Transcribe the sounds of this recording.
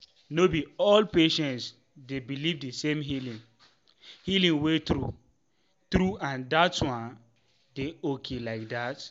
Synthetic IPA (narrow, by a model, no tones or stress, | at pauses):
nobiɔlpeʃɛ̃ns | debilivdisẽmɦilĩŋ | hilĩŋwetɾu | tɾuãndatwãn | deokʰelaɪk̚dat